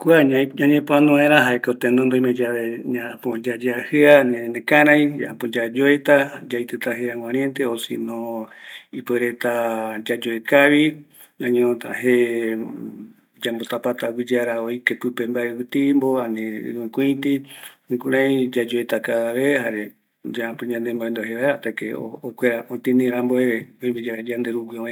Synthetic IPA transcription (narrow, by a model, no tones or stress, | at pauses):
kwaɲãɲãɲẽpoãnũãẽɾãɦaekot̪enõnd̪oimẽd͡ʒaβeɲãpod͡ʒad͡ʒeahɨanẽnẽkaɾaj̃a̰a̰pod͡ʒad͡ʒoet̪ad͡ʒajt̪et̪aɦeãŋwãɾjent̪eosḭnõ | ipweɾet̪ad͡ʒad͡ʒoekaβi | ãɲõt̪a̰he | d͡ʒambot̪apat̪awid͡ʒaɾaoikepɨpembaewɨt̪imboãnḭ̃ũkʷũit̪iĩkũɾãĩd͡ʒad͡ʒoet̪akaaβehaɾe | d͡ʒaapũɲãnd̪emboend̪oɦeβaeat̪akeo̰ːkʷeɾaʔot̪ĩnĩɾãmboeɾeoĩmbid͡ʒaɾad͡ʒand̪eɾuɡioẽ